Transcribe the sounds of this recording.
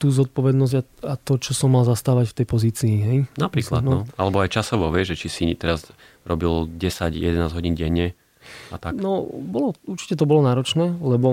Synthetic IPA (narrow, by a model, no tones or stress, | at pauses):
t̪uːzɔt̪̚pɔʋɛd̪nɔzɟaat̪ɔt͡ʃɔsɔmːalzast̪aːʋacft̪ɛjpɔziːt͡siːɦɛjnapɾiːkla̰nɔalɛbɔajt͡ʃasɔʋɔʋɛʒʒɛt͡ʃisit̪ɛɾaz | ɾɔbilɟɛsaɟjɛ̰d̪ɛnaːzɦɔɟiːnɟɛɲːɛ | at̪anɔbɔlɔuɾt͡ʃi̥cɛt̪̬ɔbɔlɔnaːɾɔt͡ʃnɛːlɛbɔ